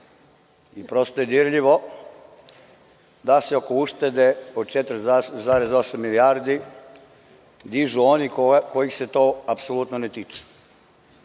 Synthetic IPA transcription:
ipɾo̞st̪ojed̪iɾʎiʋo̞ | d̪aseo̞kouʃt̪ed̪e̞od̪̚t͡ʃet̪ɾzaɾe̞zosamːiliaɾd̪i | d̪iʒuonikojixse̞t̪oapsolut̪nonet̪iːt͡ʃu̥

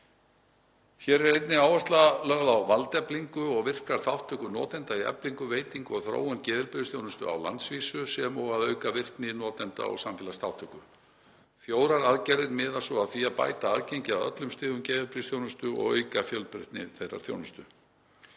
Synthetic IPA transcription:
çɛɾɾɛjt̪nɪaːwvast̪lalœːɣðawvalt̪ɛpliŋkʏɔɣvɪr̥kaɾ̥θawht̪ʰːœhkʏnɔ̰ːt̪ɛnt̪aiɛ̰pliŋkʏveːjt̪iŋkɔɣθɾo̰ːwʏncɛːðɪlpɾɪðsθjownʏst̪ʏ̰a̰wla̰nt̪sviːsʏsɛmɔɣaðœːɥkavɪr̥knɪnɔːt̪ɛnt̪a̰ɔ̰ɣsamfɛlast̪awht̪ʰœhkʏ | fjoːwɾaɾaðcɛɾðɪt̪mɪðasɔaðθviaðpa̰ːjt̪aaðcejɲcɪaðœ̰t̪lʏmst̪ɪːðʏmcɛːðɪlpɾisθjownʏst̪ʏɔ̰ɣœ̰ːɥkafjœlpɾɪht̪nɪ̰θejrːa̰ɾ̥θjo̰wnʏst̪ʏ

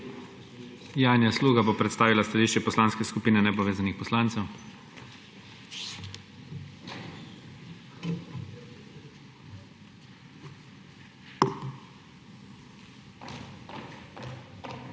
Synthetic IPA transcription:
jaːnjasluːɡabopɾɛt̪st̪aːʋilast̪aliʃt͡ʃɛpɔslaːnskɛskupiːnɛnɛpɔʋeːzanixpɔslaːnt̪sɛw

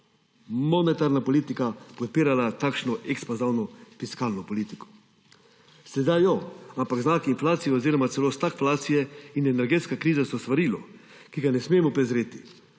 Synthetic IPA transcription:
mɔnɛt̪aɾnapɔliːt̪ikapɔt̪̚piːɾalat̪akʃnɔʔɛkspazawnɔfiskaːlnɔpɔliːt̪ikɔ̥ | sɛd̪ajɔampaɡznaːkiːnflaːt̪sijɛoziːɾɔmat̪ɛloːst̪akflaːt̪sijɛinɛnɛɾɡeːt̪skakɾiːzasɔst̪ʋaɾiːlɔ̰ | kiɡanɛsmeːmɔpɾɛzɾeːt̪i̥

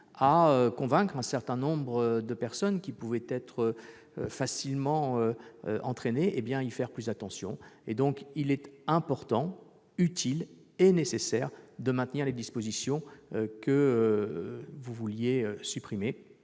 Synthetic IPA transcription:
aøkɔ̃vɛ̃kχɛ̃sɛʁt̪ɛ̃nɔ̃bʁəd̪əpɛʁsɔnkʲipuvɛt̪ɛt̪χə | øfasilmɑ̃øøʔɑ̃t̪χeneʔebjɛ̃ifɛʁplyzd̪at̪ɑ̃sjɔ̰̃ed̪ɔ̃kilɛt̪ɛ̃pɔʁt̪ɑ̃ | yt̪ʰil | enesesɛʁd̪əmɛ̃t̪niʁled̪ispozisjɔ̃økəø | vuvuljeøsypχime

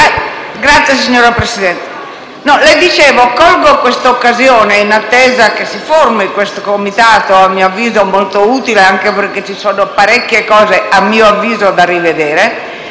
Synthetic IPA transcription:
ɡɾat̪sːjes̬iɲːoːɾapɾesid̪ɛnt̪e̥ | nɔlɛjd̪it͡ʃeːvokɔlɡokwest̪aokːazjoːneinat̪ːeːzakesiformikwest̪okomit̪aːt̪oamːioavːiːzomolt̪ouːt̪ileaŋkeperket͡ʃːisoːnopaɾɛkːjekɔːzeamːiːoavːiːzod̪arived̪eːɾe

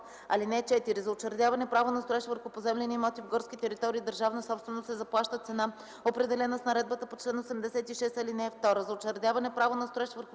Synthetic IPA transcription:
ɐ̰linɛt͡ʃɛt̪iɾizɐot͡ʃɛɾd̪javɐnɛpɾavonɐst̪oɛʃt̪vəɾxʊpozɛmlɛnimɔt̪ivɡɔɾskʲit̪ɛɾit̪ɔɾiːd̪əɾʒavnəsɔpst̪vɛnosɛzɐplˠaʃt̪ət̪sɛna | opɾɛd̪ɛlɛnəsnɐɾɛd̪bət̪əpot͡ʃlɛnosɛmd̪ɛsɛt̪iʃɛst̪ɐlinɛːft̪ɔɾəzɐot͡ʃɛɾd̪ʲjavɐnɛpɾavonɐst̪oɛʃt̪vəɾx

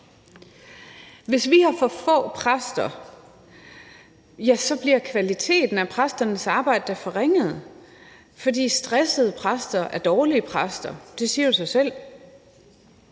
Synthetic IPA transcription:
ʋe̝sʋihɑ̈fɒ̽fɔ̰̽ːpʰʁasd̥ɐ | jæsɒ̽b̥liɐ̰kʰʋælit͡sʰe̝̰ːd̥n̩æpʰʁasd̥ɐnəsɑ̈ːb̥ɑ̈ɪ̰d̥əd̥æɐfɒʁeŋ̰əð̞̩ˠ | fɒ̽d̥ḭːsd̥ʁɛsəð̩ˠəpʰʁasd̥ɐʔæɐd̥ɒːliəpʰʁasd̥ɐd̥e̝siːɐd̥usɑ̈ɪsel̰

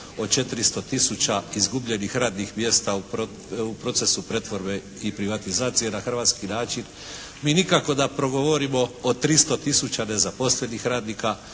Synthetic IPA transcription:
o̞t͡ʃe̞t̪iɾist̪o̞t̪isut͡ɕaizɡubʎe̞nixɾaːd̪nixmje̞st̪ao | upɾo̞t̪se̞supɾe̞t̪ʋo̞ɾbe | ipɾiʋat̪izaːt̪sije̞naxr̩ʋaːt̪skinaːt͡ʃin | miːnikako̞d̪apɾo̞ɡo̞ʋoɾimo̞ːt̪ɾist̪o̞t̪isut͡ɕane̞zapo̞sle̞nixɾaːd̪nika

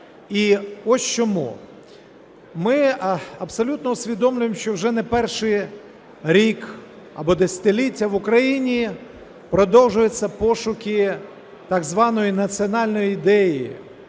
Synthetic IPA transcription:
iɔsʲt͡ʃɔmṵ | mɪɐbsɔlʲut̪nɔʊsʲʋʲid̪ɔmlʲʊjemʃt͡ʃɔwʒɛnɛpɛrʃɪj | ɾʲik | ɐ̰bɔd̪esʲɐ̥t̪ɪlʲitʲːɐʋʊkɾɐjinʲi | pɾɔd̪ɔwʒʊjet͡sʲːɐpɔʃʊkʲɪ | t̪ɑɡzʋɑnɔjinɐt͡sʲiɔnɑlʲnɔjid̪ɛjḭ

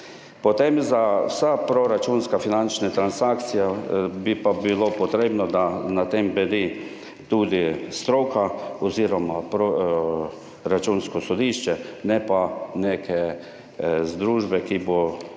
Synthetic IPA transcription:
pɔt̪emzawsapɾoɾat͡ʃunskafinant͡ʃnɛt̪ɾansakt̪sijabipabilopɔt̪ɾeːbnɔd̪anat̪embɛd̪i | t̪uːd̪ist̪ɾokaɔziːɾɔmapɾo | ɾat͡ʃunskɔsɔd̪iʃt͡ʃɛnɛpaneːkʰɛ | zd̪ɾuːʒbɛkibo

